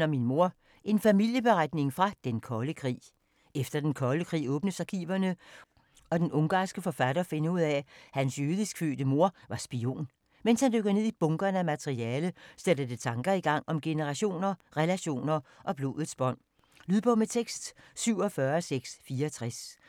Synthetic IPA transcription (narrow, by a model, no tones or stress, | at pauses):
nɒminmo̝ɐ | ʔe̝nfæmil̰jəb̥e̝ʁad̥ne̝ŋfʁɑ̈d̥enkʰɒ̽ləkʰʁḭː | efd̥ɐd̥enkʰɒ̽ləkʰʁḭːɔ̽ːb̥nəsɑ̈kʰḭːʋɐnə | ɒ̽d̥enʔɔ̽ŋɡ̥ɑ̰̈ːsɡ̥əfɒ̽fæd̥ɐfenəuð̞̰ˠɛhænsjøːð̞ˠisɡ̥fø̰ːd̥əmo̝ɐ̰ʋɑ̈sb̥io̝̰ːn | menshænd̥øɡ̥ðˠne̝ð̰ˠib̥ɔ̽ŋɡ̥ɐnəæmæt͡sʰʁiɛːləsed̥əd̥et͡sʰɑ̈ŋɡ̥ɐiɡ̥ɑ̈ŋ̰ɒ̽mɡ̥e̝nəʁɑ̈ɕo̝̰ːnɐʁɛlæɕo̝̰ːnɐʔɒ̽b̥lo̝̰ːðˠð̩ˠsb̥ɒ̽n̰ | lyðˠpʰɒ̽met͡sʰeɡ̥sd̥syʊ̰ɒ̽fɶɐɒseɡ̥sfiːɐɒt͡sʰʁas